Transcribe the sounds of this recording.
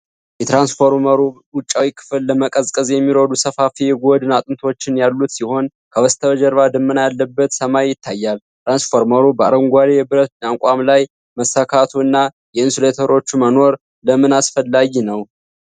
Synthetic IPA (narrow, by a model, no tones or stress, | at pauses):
jɛt̪ɾansfoɾməɾu | wʊt͡ʃʼːawikʰɨ̥fɨlːəməkʼəzkʼəzjɛmːiɾod̪usəfafijɛɡod̪ɨnat̪ʼɨnt̪ʰo̞t͡ʃːɪnjalːut̪siho̞n | kʰəwɔst̪ʰəβəd͡ʒəɾβad̪ɨmːɨnajalːəbːət̪səmajjɪt̪ʰːajːalt̪ɾansfo̞ɾməɾubəaɾəŋɡʷaɾebɨɾət̪̚naŋkʼamlaj | məsːakʰat̪ʰuɨnːa | jɛɨnsulet̪ʰəɾo̞t͡ʃːuməno̞ɾ | ləmɨnasfəlːaɡinəw